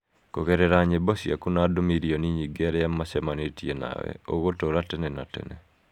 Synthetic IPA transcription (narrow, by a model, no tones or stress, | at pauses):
koɣeɾɛɾaɲebɔsja̰kunadomiɾiɔniɲiɡɛɾɛamasɛmanetiena̰wɛ̰o̰ɣotoɾatɛnɛna̰tɛ̰nɛ̰